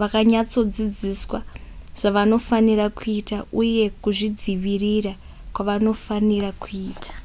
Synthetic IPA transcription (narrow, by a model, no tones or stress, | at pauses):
ʋakaɲat͡so̞d͡zid͡ziswaʐ̥aʋano̞faniɾakuitauje̞kuʐid͡ziʋirira | kwaʋano̞fanirakuiːtʰḁ